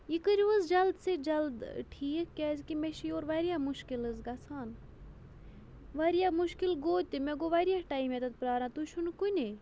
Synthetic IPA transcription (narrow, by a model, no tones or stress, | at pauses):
ikɨɾʲʋəzd͡ʒɐld̪sed͡ʒɐld̪ʈʰiːkkːʲɛzkimeʃijoːɾʋɐɾijamuʃkilɨzɡɐsʰaːn | ʋɐɾijamuʃkilɡoːt̪ʲt̪imeɡoʋɐɾijaʈaːimet̪ɐt̪̚pɾaːɾãːt̪uʃʰunkunʲe